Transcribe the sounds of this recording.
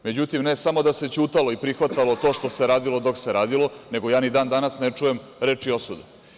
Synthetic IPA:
me̞d͡ʑut̪imne̞samo̞d̪ase̞t͡ɕuːt̪alo̞ipɾixʋat̪alˠot̪o̞ːʃt̪o̞se̞ɾaːd̪ilˠod̪o̞kse̞ɾaːd̪ilo̞ne̞ɡo̞jaːnid̪aːnd̪anasnet͡ʂuje̞mɾe̞ːt͡ʂio̞sud̪u

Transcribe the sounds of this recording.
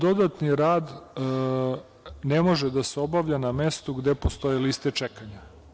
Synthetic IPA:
d̪o̞d̪at̪niɾaːd̪ | nemo̞ʒed̪aseo̞baʋʎaname̞st̪uɡd̪e̞post̪o̞jelist̪e̞t͡ʃekaɲa

